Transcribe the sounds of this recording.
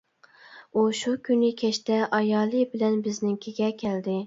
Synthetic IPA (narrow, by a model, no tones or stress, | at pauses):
uʃukʲʰynɪkʲʰɛʃt̪ɛʔɑjɑːlˠɨbɪlɛnbɪznɪŋkʲʰeɡʲɛkʲʰɛld̪ɪ